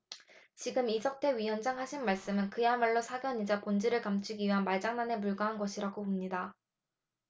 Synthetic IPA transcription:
t͡ɕiɡɯmisʰʌk̚tʰe̞ɥijʌnd͡ʑaŋɦaɕʰinmaɭs͈ɯmɯnkɯjamaɭːosʰaɡjʌɲid͡ʑapond͡ʑiɾɯɭkamt͡ɕʰiɡiɥiɦanmaɭd͡ʑaŋnane̞puɭɡaɦanɡʌɕʰiɾaɡopomɲida

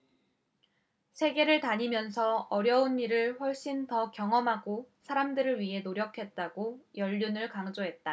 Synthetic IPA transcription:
sʰe̞ɡe̞ɾɯɭtaɲimjʌnsʰʌʌɾjʌunːiɾɯɭɸwʌɭɕ͈intʌkjʌŋʌmɦaɡosʰaɾamdɯɾɯɭɥiɦe̞noɾjʌkʰe̞t̚t͈aɡojʌʎːunɯɭkaŋd͡ʑoɦe̞t̚t͈a

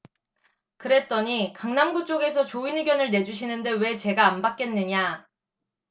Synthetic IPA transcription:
kɯɾe̞t̚t͈ʌɲikaŋnamɡut͡ɕ͈oɡe̞sʰʌt͡ɕoinɯɡjʌnɯɭne̞d͡ʑuɕ̬ʰinɯnde̞we̞t͡ɕe̞ɡaːnbak͈e̞nːɯɲa

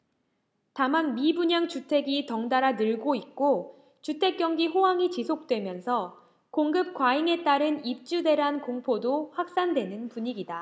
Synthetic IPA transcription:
tamanmibuɲaŋt͡ɕutʰe̞ɡitʌŋdaɾanɯɭɡoik̚k͈o | t͡ɕutʰe̞k̚k͈jʌŋɡiɸoɦaŋit͡ɕisʰok̚t͈we̞mjʌnsʰʌ | koŋɡɯp̚k͈waiŋe̞t͈aɾɯnip̚t͡ɕ͈ude̞ɾɦankoŋpʰodoɸwak̚s͈andwe̞nɯnpuɲiɡida

